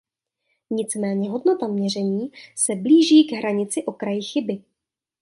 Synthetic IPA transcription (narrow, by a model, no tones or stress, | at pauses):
ɲɪt͡smɛːɲɛɦo̞dno̞t̪amɲɛr̝ɛɲiːsɛbliːʒiːɡɦɾaɲɪt͡sɪʔo̞kɾajɪxɪbɪ